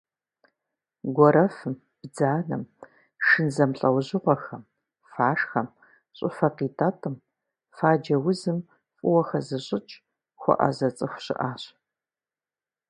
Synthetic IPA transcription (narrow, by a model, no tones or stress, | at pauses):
ɡʷɔɾɐfɨm | b̥d͡zaːnɐ̰m | ʂɨnzɐmɬʼɐwʑɪʁʷɔxɐm | faːʂxɐm | ɕʼʊfɐqiːtʰatʰɨm | faːd͡ʒɐwʊzɨm | fʼʊwɐxɐzɨɕʼɪt͡ʃʼ | xʷɔ̰ʔɐ̰zɐt͡sʼɨxʷɕɪ̰ʔaːɕ